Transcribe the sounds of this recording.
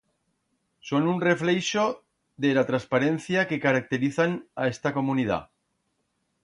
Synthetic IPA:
so̞nunre̞flejʃo | ðelat̪ɾaspaɾe̞n̟θjake̞kaɾak̚t̪e̞ɾiθanae̞st̪ako̞munið̞a̰

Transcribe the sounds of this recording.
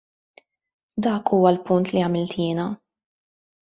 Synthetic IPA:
d̪ɐːkʰuːwɐlpʊnt̪liɐmɪlt̪jɪːnɐ

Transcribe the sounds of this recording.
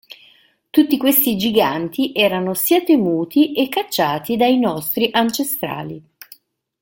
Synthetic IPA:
t̪ut̪ːikwest̪id͡ʒiɡant̪iʔɛːɾanosiːat̪emuːt̪iʔekːat͡ʃːaːt̪id̪ainɔst̪ɾiʔant͡ʃest̪ɾa̰ːli

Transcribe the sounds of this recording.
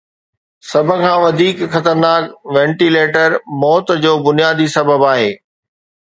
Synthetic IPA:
sɐbʱə̆kʰãːʋɐd̪ʱiːkxɐt̪əɾnaːkʋɛ̃ːɳʈileːʈəɾmɔːt̪d͡ʑoːbʊnijaːd̪isɐbʱəbaːɦeː

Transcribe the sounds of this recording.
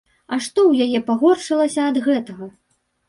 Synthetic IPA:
ɐʂt̪ɔwjajɛpaɣɔrʂɨlˠɐsʲɐɐd̪ɣɛt̪ɐɣɐ

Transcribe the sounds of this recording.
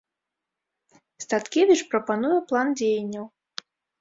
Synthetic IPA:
st̪at̪kʲevʲit͡ʂpɾɐpanujɛplˠand͡zʲejɐnʲːɐw

